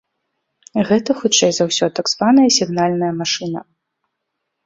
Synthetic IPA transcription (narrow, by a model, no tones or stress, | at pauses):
ɣɛt̪ɐxut͡ʂɛjzawsʲɔt̪aɡzvanɐjɐsʲiɣnalʲnɐjɐmaʂɨnɐ̰